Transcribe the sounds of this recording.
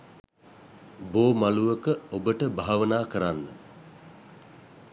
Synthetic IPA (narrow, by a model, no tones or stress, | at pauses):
boːmaluʋəkəobəʈəbʱaɦaʋənaːkəɾanːə̰